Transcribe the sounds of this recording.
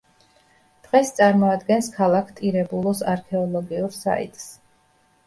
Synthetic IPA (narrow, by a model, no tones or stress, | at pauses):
d̪̥ʁɛst̪sʼaɾmɔad̪ɡɛnskʰalˠakʰt̪ʼiɾɛbulˠɔsaɾkʰɛɔlˠɔɡiuɾsa̰ḭt̪ʼs